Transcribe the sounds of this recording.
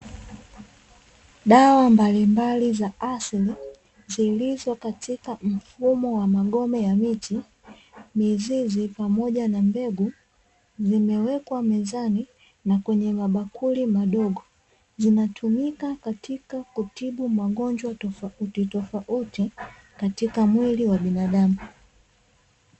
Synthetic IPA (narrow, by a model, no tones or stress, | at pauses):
ɗawambalimbalizaʔasli | zilizakatʰikam̩fumɔwamaɡɔmɛjamiti | mizizipamɔʄanambɛɡu | zimɛwɛkwamɛzani | nakwɛɲɛŋaɓakʰulimaɗɔɡɔ | zinatʰumikakatikakutiɓumaɠɔnd͡ʒwatɔfautitɔfaʔuti | katikamwiliwaɓinaɗamu